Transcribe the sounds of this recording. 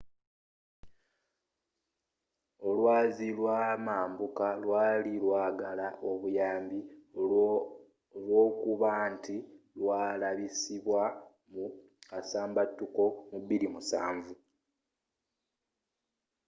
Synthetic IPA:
o̞lwaːzilwamaːmbukalwaːlilwaːɡalaʔo̞βujaːmbi | lwo̞ːkuβanti | lwaːlaβisiβwa | mu | asaːmbatːuko̞muβːilimusaːɱvu

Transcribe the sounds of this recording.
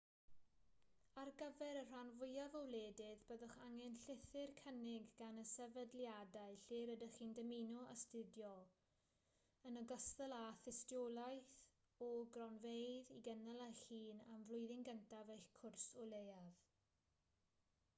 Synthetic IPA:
arɡəvɛɾər̥anvʊjavɔwleːdɪðbəðəχaŋɛnɬɪθɪrkʰənɪɡːanəsɛvədljadaɨɬɪːɾədəχiːndəminɔʔa̰stɪdjɔ | ənəɡəstəlˠaθɪstjɔlˠajθ | ɔɡrɔnvejðiɡɛnalˠaχiːnamvlˠʊɨðɪŋɡəntʰavejɬkʰʊrsɔlˠejað

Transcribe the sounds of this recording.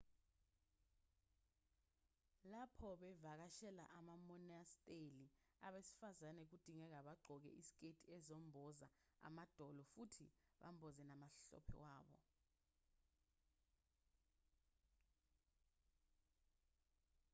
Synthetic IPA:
lapʰɔɓɛvak̬aʃɛla̰ʔamamɔnastʼeli | aɓesi̥fazanɛk̬ud̥ʱiŋɛk̬aɓaɡ͡ǃʱɔk̬ɛ̰ʔisi̥k̬ʼetʰʼiɛzom̩bʱɔza̰a̰mad̥ʱɔlɔfutʰḭɓa̰mbʱɔzɛnamaɬɔ̰pʰɛ̰waːɓɔ̰

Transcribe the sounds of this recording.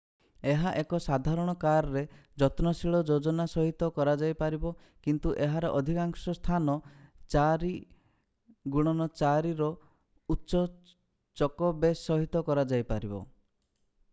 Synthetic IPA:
eɦaʔekɔsad̪ʱaɾɔɽ̃ɔkaɾɔɾed͡ʒɔt̪nɔsiɭɔd͡ʒod͡ʒɔnasɔɦit̪ɔkɔɾad͡ʒajpaɾibɔ | kint̪uʔeɦaɾeʔɔd̪ʱikaŋsɔst̪ʰanɔt͡ʃaɾi | ɡuɽ̃ɔnɔt͡ʃaɾiɾɔ | utːʃɔ | t͡ʃɔkɔbesɔɦit̪ɔkɔɾad͡ʒajpaɾibɔ̰

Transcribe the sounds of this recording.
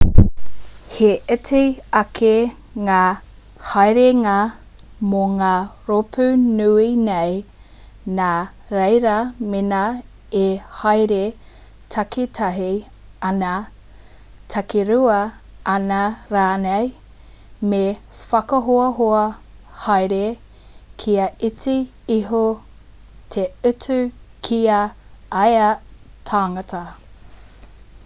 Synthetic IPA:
heʔɛtʰejɐkʰe | ŋaː | hɐjɾeŋa | moŋaːɾopʰʉnʉinej | naː | ɾejɾɐmenɐ | ehajɾe | tʰɐketʰɐɦi | ɐnɐ | tʰɐkiɾuɐ | ɐnɐɾaːnej | me | fɐkɐɦoɐɦoɐ | hɐjɾe | kʰiɐit͡si | iɦo | tʰeʉt͡sʉkʰiɐɐjɐtʰaːŋɐtʰɐ

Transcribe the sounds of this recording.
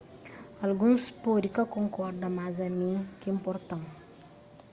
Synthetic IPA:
ɐlɡunspoɾikakoŋkɔɾɖɐmazamikimpɔɾt̪ɐŋ

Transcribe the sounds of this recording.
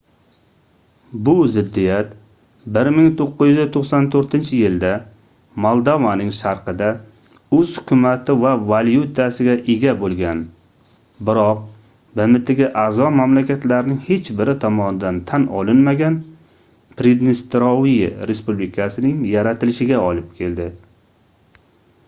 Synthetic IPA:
bʊzɪd̪ːijat̪ | bɪɾmɪŋt̪ʰoqːɨzjyzt̪ʰoqsant̪ʰoɾt̪ʰɪnt͡ʃʰɪjɪld̪a | mɒlˠd̪ovanɪŋʃaɾqɨd̪a | ɵzhʊ̥kʲʰʊmat̪ʰɪvavaljut̪ʰasɪɡʲaʔeɡʲabolˠɡʲan | bɪɾɒq̚ | bɪmɪt̪ʰɪɡʲaʔazɒmamlakʲʰat̪laɾɪnɪŋhe̞t͡ʃbɪɾɪt̪ʰɒmɒnɪd̪ant̪ʰanɒ̰lɪnmaɡʲan | pɾed̪nɪst̪ɾɒwijɪɾespublɪkʲʰasɪnɪŋjaɾat̪ʰɪlɪʃɪɡʲaɒlˠɪp̚kʲʰe̞ld̪ɪ

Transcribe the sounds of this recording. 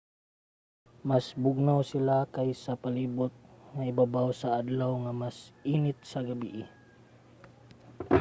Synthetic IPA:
masbʊɡ̚nawsilakajsapalibʊt̪̚ŋaibabawsaad̪lawŋamasinɪt̪̚saɡabḭʔi

